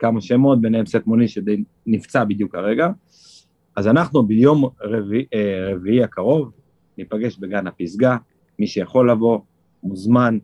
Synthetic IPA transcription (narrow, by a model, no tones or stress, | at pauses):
kamaʃemo̞t̪̚beneemset̪moniʃed̪ej | nift͡sabid̪jukaʁe̞ɡa | azanaχnubijo̞mʁeviʁeviiakaʁo̞v | nipaɡe̞ʃbe̞ɡanapisɡa | miʃejaχo̞lːavo̞ | muzman